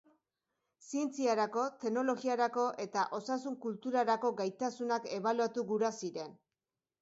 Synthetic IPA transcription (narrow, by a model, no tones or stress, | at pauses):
sie̞nt͡siaɾako̞t̪e̞no̞lo̞ɣiaɾako̞ʔe̞t̪aʔo̞sasuŋkult̪uɾaɾako̞ɡajt̪asunake̞βaluat̪uɣuɾasiɾe̞n